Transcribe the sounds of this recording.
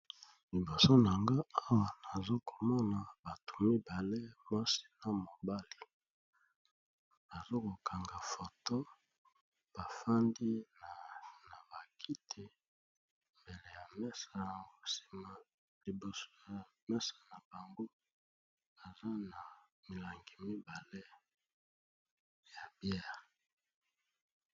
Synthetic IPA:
li˨bo˨so˦na˨ŋɡa˦a˦wa˨na˨zo˦ko˨mɔ˦na˨ba˨tʰu̥˨mi˦ba˨le˦ma˦si̥˦na˨mo˨ba˦li˨ | b̥a˨zo˦ko˨kʰa˨ŋɡa˨fo˨to˦ | b̥a˨fa˦ndi˦na˨na˨ba˨kʰi˦tʰe˨ | mbe˨le˨ja˨mɛ˦sa˨ŋɡo˨si̥˨ma˨ | li˨bo˨so˦ja˨mɛ˦sa˨na˨ba˨ŋɡo˦ | ba˨za˦na˨ | mi˨la˨ŋɡi˨mi˦ba˨le˦ | ja˨bjɛ˦˨ʁ

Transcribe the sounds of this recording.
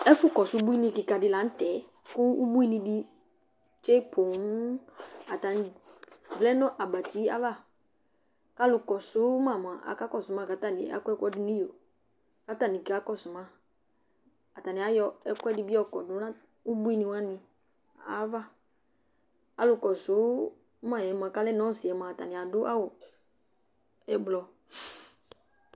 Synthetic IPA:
ɛ˦fʊ˦kɔ˨sʊ˦bu˦i˦nĩ˧ki˨ka˨dɪ˨la˨n̩˦tɛ˨˦ | kʊ˦u˦bu˦i˦nĩ˧di˦ | t͡ʃe˦pʰo˨ŋ˦a˨ta˨nɪ˨vlɛ˦nɔ̃˦ʔa˨ba˨ti˦a̰˦va˦˨ | ka˦lʊ˨kɔ˨sʊ˨˦ma˨m˨a˨ʔa̰˨ka˦kɔ˦˨sʊ˨mã˦ka˨ta˦˨ni˨a̰˨˦kɔ˦ɛ˦kʷɔ˦dɪ˦nũ˦o˨ | ka˨˦ta˦˨nĩ˨ka˦kɔ˦su˨mã˦ | a˨ta˨nĩ˨a˨jɔ˦ɛ˦kɛ˦di˦bi˦ɔ˦kɔ˨dʊ˨˦nã˦ | u˦bu˦i˦nĩ˧wa˦nĩ˨ | a̰˨˦va˦ | a˨lʊ˦kɔ˨sʊ˨˦ | mã˦˨ɛ˨m˨ã˨ka˦lɛ˦nɔ̃˦si˨ɛ˨mã˨ta̰˨nĩ˨a˨dʊ˦ʔa˦wʊ˨ | ɛ˨blɔ˨

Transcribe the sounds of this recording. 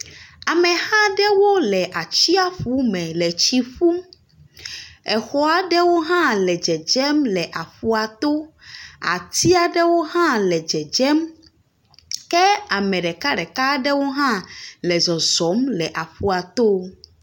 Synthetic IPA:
a˨mɛ˨hã˦ɖɛ˦wo˦lɛ˨ʔa˨t͡ɕi˦a˦ɸu˦mɛ̃˨lɛ˨t͡ɕi˦ɸu˦ | ɛ˨xɔ˦a˨ɖɛ˦wo˦ɦã˦lɛ˨d͡ʒɛ˨d͡ʒɛ˦mlɛ˨ʔa˨ɸu˦a˨t̪o˦a̰˨t̪i˦a˨ɖɛ˦wo˦ɦã˦lɛ˨d͡ʒɛ˨d͡ʒɛ˦m | kɛ˦a˨mɛ̃˨ɖɛ˨ka˦ɖɛ˨ka˦ɖɛ˦wo˦ɦã˦lɛ˨zɔ˨zɔ˨˦mlɛ˨ʔa˨ɸu˦a˨t̪o˦

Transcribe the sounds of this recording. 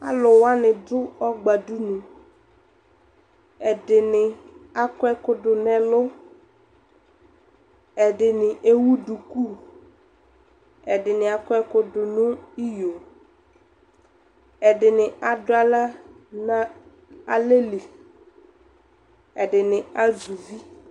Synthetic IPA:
a̰˦lʊ˨wa˦nɪ̃˨dʊ˦ɔ˦ɡ͡ba˨du˦nʊ̃˨ | ɛ˨dɪ˨nɪ˨a˨kɛ˦kʊ˦dʊ˨nɛ˨lʊ˦ | ɛ˨dɪ˨nɪ˨ʔe˦wu˦du˨ku˦˨ | ɛ˨dɪ˨nɪ˨a˨kʊ˦ɛ˦kʊ˦dʊ˨nʊ̃˦i˦jo˨ | ɛ˨dɪ˨nɪ˨ʔa˨dʊ˦a˨la˦ | na˦ | a˨le˦li˨ | ɛ˨dɪ˨nɪ̃˨a˦zu˨vi˦

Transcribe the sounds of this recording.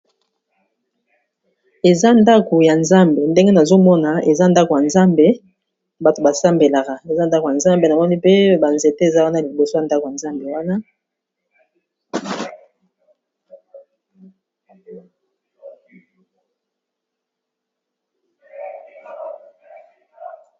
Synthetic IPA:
e˨za˦nda˦ko˨ja˨nza˦mbe˨nde˦ŋɡe˦na˨zo˦mɔ˦na˨e˨za˦nda˦ko˨ja˨nza˦mbe˨ | ba˨to˨ba˨sa˦mbe˨la˨ka˨e˨za˦n˦da˦ko˨ja˨nza˦mbe˨na˨mɔ˦ni˦pe˦ba˨nze˨te˦e˨za˦wa˦na˦li˨bo˨so˦ja˨nda˦ko˨ja˨nza˦mbe˨wa˦na˦

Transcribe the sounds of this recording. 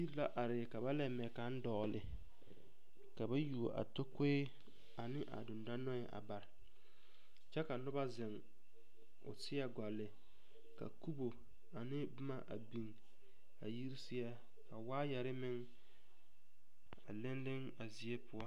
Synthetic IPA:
i˦la˦ʔa˨ɾɪ˨ka˨ba˦lɛ˨mɛ˨ka˨˦n˦dɔ˨lɪ˨ | ka˨ba˦ju˨o˨ʔa̰˨to˦ke˦ | a˨nɪ˦ʔa̰˨dʊ˨nda˦nɔ˦ɪ˨ʔa̰˨ba˨ɾɪ˨ | t͡ʃɛ˦ka˨nʊ˦ba˦zɪ˨ŋ | ʊ̰˨sɪ˦jɛ˦ɡʷa˨lːɪ˨ | ka̰˨ku˦bo˨ | a˨nɪ˦bɪ˦ma˦ʔa̰˨bi˨ŋ | a̰˨ji˦ɾsɪ˦jɛ˦ | ka˨waː˦jɛ˨ɾɪ˦mɪ˦ŋ | a̰˨lɪ˦nlɪ˦ŋ | a˨zɪ˨ɛ˦pʊ˦ɔ˦

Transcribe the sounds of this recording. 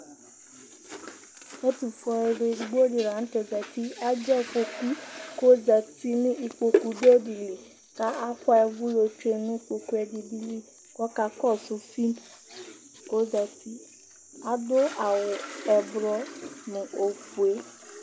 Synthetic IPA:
e˦tu˨fɔ˧ɛ˧ɾe˧i˨ɡ͡bo˦ɾi˨ɾã˨˦n̩˦tɛ˧˨zɛ˨ti˦a˦d͡ʒɛ˦˨k͡po˧ku˦ko˦za˨ti˧nĩ˦i˧k͡po˧ku˧de˦di˨le˨ | ka˦ʔa˦kʷɔ˦ɛ˧vu˦lo˧t͡ʃu˦e˧nũ˦i˦k͡po˧ku˦ɛ˧di˧di˧li˦ | kɔ˦ka˧kɔ˦˨su˧˦fi˦n | ko˦za˨ti˦ | a˦do˦a˨wɔ˨ɛ˨bɾɔ˧nũ˨o˨fu˨e˨˦

